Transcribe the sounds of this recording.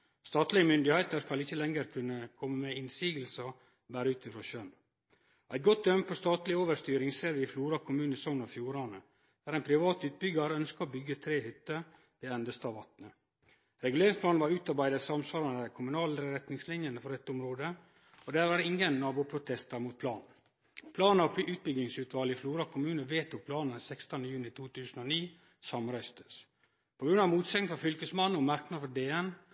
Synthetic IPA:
st̪ɑːt̪lɪəmʏnd̪ɪheːt̪əɾskɑlɪçəlɛŋəɾkʰʉnːəkʰɔmːəmɛɪnsiːɡəlsɑ | bæːɾəʉːt̪ɪfɾoːʃœn | ʔæɪt̪̚ɡɔt̪̚d̪œmpʰɔst̪ɑːt̪lɪoːʋəʂt̪yːɾɪŋseːɾʋɪːfluːɾɑkʰʊmʉːnsɔnɔfjuːɾɑnə | d̥̪æːɾæɪnpʰɾɪʋɑːt̪ʉːt̪̚bʏɡɑɾəœnskəɔbʏɡːət̪ʰɾeːhʏt̪ːə | d̪̥ɛɛnd̪əst̪ɑːʋɑt̪nə | ɾɛɡʉleːɾɪŋspʰlɑːnʋɑɾʉːt̪ɑɾbæɪd̪əsɑmsʋɑːɾɑnækʰʊmʉnɑːləɾəɾɛt̪nɪŋslɪnjənəfɔɾɛt̪ːʊmɾoːd̪ə | ɔd̪æɾʋɑːɖɛɪŋːənːɑːbupʰɾʊt̪ʰɛst̪əɾmuːt̪̚pʰlɑ̰ːn | pʰlɑːnɔpʰʔʉːt̪̚bʏɡlɪŋsʉːt̪ʰʋɑːlɪfluːɾɑkʰʊmʉːnəʋeːt̪ɔpʰlɑːnəsɛkst̪ɑnəjʉːnɪt̪ʰuːt̪ʰʉːsn̩ɔniː | sɑmɾæɪst̪ə̥s | pʰɔɡɾʉnːɑʋmuːt̪sɛknfɔfʏlkəsmɑnːɔmɑɾknɑd̪fɔd̪eːɛn

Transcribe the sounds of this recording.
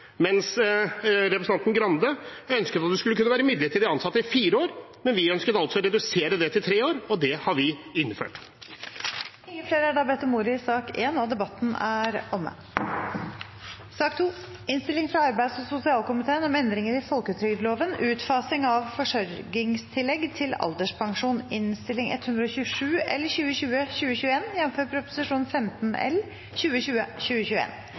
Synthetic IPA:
mɛns | ɾɛpɾəsɑnnɡɾɑnd̪əœnskət̪ɑt̪d̪ʉskʉlːkʉnːəʋæːɾəmʏd̪lət̪ːid̪ɛɑnsɑt̪ːəɪfiːɾəoːɾmɛnʋɪœnskət̪ɑlt̪sɔɔɾɛd̪ʉseːɾəd̪ɛt̪ʰɪlt̪ʰɾeːoːɾɔd̪ɛhɑʋɪɪnfø̰ːʈ | ɪŋːəfleːɾəæɖɑːbɛt̪ːɔmuːɾɪɪsɑːkeːnɔd̪ɛbɑt̪ːn̩æɾɔmə̰ | sɑːkt̪ʰuːɪnst̪ɪlɪŋfɾɑɑɾbæɪd̪sɔsʊsɪɑːlkʊmɪt̪ʰeːənɔmɛnd̪ɾɪŋəɾɪfɔlkət̪ʰɾʏɡd̪loːʋənʉːt̪fɑːsɪŋɑʋfɔʂœɾɡɪŋst̪ʰɪlɛɡt̪ʰɪlɑ̰ld̪əʂpʰɑŋʂuːnɪnst̪ɪlːɪŋɛ̰t̪ʰːhʉnd̪ɾəɔɕʉːʂʉːɛ̰lːəɾçʉːəɕʉːəçʉːəɕʉːəeːnjɛnːm̩føːɾpʰɾʊpʊ̥sɪʂuːn̩fɛmt̪nɛ̰l | çʉːəɕʉːəçʉːəçʉːəḛːn

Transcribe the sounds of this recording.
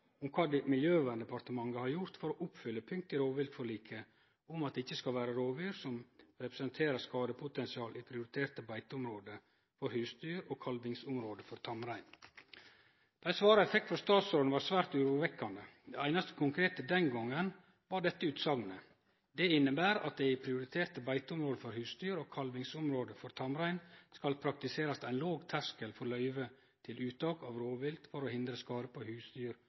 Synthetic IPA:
ʊmkʰɑːd̪ɛmɪljøːʋæːnd̪əpɑɾt̪əmɑŋːəhɑɾjʊɾt̪fɔɾɔʔʊpfʏlːəpʰʏŋk̚t̪ɪɾoːʋɪlt̪fɔɭiːkʰə | ʊmɑt̪̚d̪ɪçːəskɑlʋæːɾəɾoːʋyːɾsɔmɾɛpɾəsənt̪ʰeːɾəskɑːd̪əpʰʊt̪ɛnsɪɑːlʔipʰɾɪʊɾɪt̪ʰeːɾt̪əbæɪt̪əʊmɾoːd̪ə | fɔɾhʉːst̪yːɾoːkʰɑlʋɪŋsʊmɾoːd̪əfɔɾt̪ʰɑmɾæɪn | b̪̥æɪsʋɑːɾɑɛfɛkt̪fɾɔst̪ɑːt̪soːd̪n̩ʋɑɾsʋæːɾt̪ʉɾuʋɛkːɑnd̪əd̪ɛæɪnɑst̪ə̥kʰʊŋkʰɾeːt̪əd̪ɛnɡɔŋːən | ʋɑɖɛt̪ːəʉːt̪sɑŋnə | d̪ɛɪnːəbæːɾɑ̰t̪̚d̪ɛɪpʰɾɪʊɾɪt̪ʰeːɾt̪əbæɪt̪əʊmɾoːd̪əfɔɾhʉːst̪yːɾoːkʰɑlʋɪŋsʊmɾoːd̪əfɔɾt̪ʰɑmɾæɪnskɑlpʰɾɑk̚t̪ɪseːɾɑst̪æɪnloːɡt̪ʰæʂkəlfɔɾlœʏʋə | t̪ʰɪlʉːt̪ɑːkɑʋɾoːʋɪlt̪fɔɾoːhɪnd̪ɾəskɑːɾəpʰɔhʉːst̪yːɾ

